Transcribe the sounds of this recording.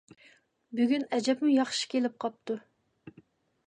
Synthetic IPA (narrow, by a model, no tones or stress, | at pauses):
byɡʲynɛd͡ʒɛpmujɑχʃi̥kʲʰelɪp̚qʰɑp̚t̪u